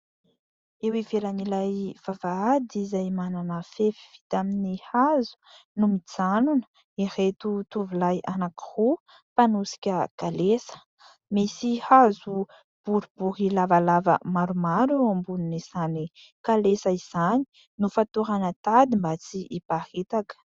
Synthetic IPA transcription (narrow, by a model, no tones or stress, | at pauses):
ewivelanilajv̥avaad̪izajmananəfefi̥fi̥t̪aminihazu̥numit͡sanunə̥ | iret̪ut̪uvilajʔanaki̥hu | panusi̥kʲəkalesə̥ | misihazu | b̥uɾibuɦilavalavə̰maɾumaɾeambununiz̥ani | kalesəiz̥ani̥ | nufat̪uɾanət̪ad̪imbat͡siʔipahet̪akə̥